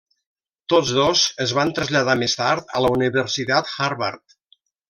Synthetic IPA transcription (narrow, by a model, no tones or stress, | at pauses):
t̪od͡zzðozəzβant̪ɾəzʎəðamest̪aɾt̪ə̰ləuniβəɾsit̪at̪xaɾβa̰ɾt̪̚